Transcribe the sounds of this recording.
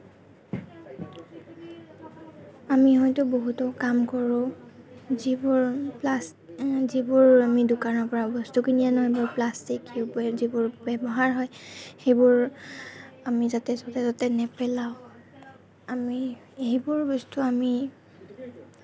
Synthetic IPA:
amiɦɔjtʊboɦutɔkamkɔɹʊ̃ | zibʊɹplas | zibʊɹamidʊkanɔɹpɔɹabɔstukinijanɔjbʊɹplastikibzibʊɹbɛbɔɦaɹɦɔjxejbʊɹ | amizatɛzɔtɛzatɛnɛpɛlaʊ̃ | ami | eibʊɹbɔstuami

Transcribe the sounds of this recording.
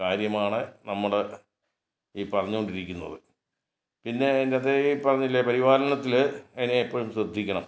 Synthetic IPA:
kaːɾjɐmaːɳɨnɐmːuɽe | iːpɐrɐɲːuɣo̞ɳɖiɾikʲːunːɐ̰ðɨ | pinːe̞ːndeɐðepɐrɐɲːilːepɐɾiʋaːlɐnɐt̪ːileneipːoːɻumɕrɨd̪ʱːikʲːɐɳɐ̰m

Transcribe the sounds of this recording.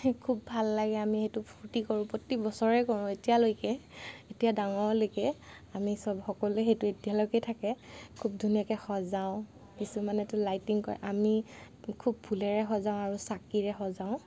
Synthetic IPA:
kʰubːʱalːaɡɛamixejtʊpʰuɹtikɔɹũpɔtːibɔsɔɹɛkɔɹʊ̃etijalojkɛetijadaŋɔɹlojkɛ | amisɔbxɔkɔlɛɦejtuetijalokɛtʰakɛkʰub̚dʱunijakɛxɔzaʊ̃ | kisumanɛtʊlajtiŋkɔ̰ɹɛ̰ʔami | kʰub̚bʱulɛɹɛxɔzaʊ̃aɹusakiɹɛxɔzaʊ̃

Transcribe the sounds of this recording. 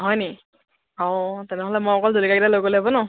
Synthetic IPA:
ɔɦɔjni | ɔtɛnɛɦɔlɛmɔjɔkɔldolikaɡdalojɡolabɔnɔ

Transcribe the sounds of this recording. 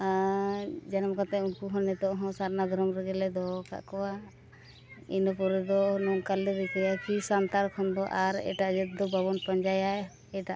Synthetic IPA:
a | d͡ʒanamkat̪ɛunkuɦɔnɛt̪ɔʔɦɔ̃saɾnad̪ʱɔɾɔmɾɛɡɛlɛd̪ɔka̰ʔkɔwa | inɔpɔɾɛd̪ɔnɔŋkalɛbɛkajakisant̪aɾkʰɔnd̪ɔʔaɾɛ̰ʈaʔd͡ʒɛt̪̚d̪ɔbaβɔnpɔɲd͡ʒaja | ɛʈaʔ

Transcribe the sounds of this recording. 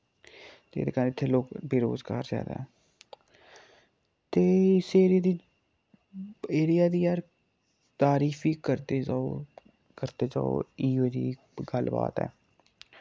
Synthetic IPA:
t̪ḛːd̪eːkəɪt̪ʰːeːloːkbɪɾo̰ːzɡa̰ːɾzja̰ːd̪a̰ːɦɛː | t̪eːɪseːɾɪjaːd̪iː | eːɾɪjaːd̪iːaːɾ | t̪aːɾiːfiːkəɾt̪eːd͡ʒaːo | kəɾt̪eːd͡ʒa̰ːo̰iːʋəd͡ʒḭː | ɡəlba̰ːt̪ɛ̰ː

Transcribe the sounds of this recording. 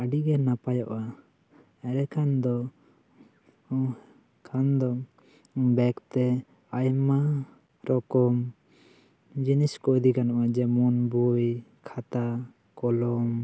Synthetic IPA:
aɖiɡɛnapajɔʔa | ɛɾɛkʰand̪ɔ | kʰand̪ɔ | bɛkt̪ɛ | ajma | ɾɔkɔm | d͡ʒiniskɔd̪ikanɔʔad͡ʒɛmɔnbujkʰat̪a | kɔlɔm

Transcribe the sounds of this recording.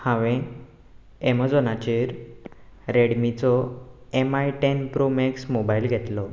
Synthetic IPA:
hãʋẽ | ɛmad͡zɔnat͡ɕeɾ | ɾeɽmit͡sɔɛmajʈɛnpɾomɛksmobailɡʱɛt̪lɔ

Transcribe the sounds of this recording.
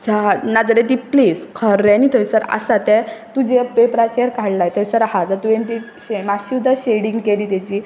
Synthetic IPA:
t͡sanad͡zəɾẽt̪̬ipliːskʰəɾːɛnit̪ʰəjsəɾa̰sat̪ɛ̃t̪ud͡ʑepepɾat͡ɕeɾkaɽlajt̪ʰəisəɾhad͡zat̪ujẽnt̪i | ɕemaɕiud̪ʱaɕeɽiŋɡkeliːt̪ɛt͡ɕiː

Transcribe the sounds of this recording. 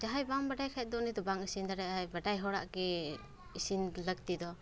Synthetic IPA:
d͡ʒaɦajbaŋbaɖajkʰat̪̚d̪ɔnid̪ɔbaŋisind̪aɾɛajbaʈajɦɔɽa̰ʔkɛ | isinləɡ̚t̪id̪ɔ

